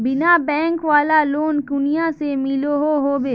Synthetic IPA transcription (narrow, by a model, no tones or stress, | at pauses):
bɪnabɛ̃ːŋkʋaːlaloːnkʊnijasemɪloɦoɦoːbeː